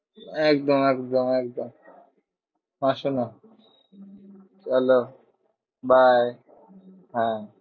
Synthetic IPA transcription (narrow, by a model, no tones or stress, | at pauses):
ɛkd̪omɛkd̪omɛkd̪om | mãʃuno | t͡ʃalo | bʱaj | ɦɛ̃